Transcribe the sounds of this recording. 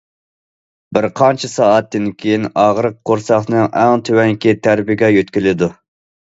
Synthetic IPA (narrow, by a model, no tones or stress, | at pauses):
bɪɾqʰɑnt͡ʃʰɪsɑːɑt̪ːɪnkʲʰejinɑʁɾəq̚ːoɾsɑχnɨŋʔæŋt̪ʰøwɛŋkʲit̪ʰæɾbɪɡʲɛjøt̪kʲilɪd̪u